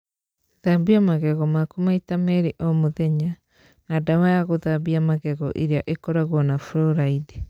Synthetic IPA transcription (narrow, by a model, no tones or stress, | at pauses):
ðabiamaɣɛɣɔmakomaitamɛɾiʔɔmoðɛɲa | nadawajaɣoðabiamaɣɛɣɔ̰ʔeɾeaʔekɔɾaɣwɔnafɾɔɾaide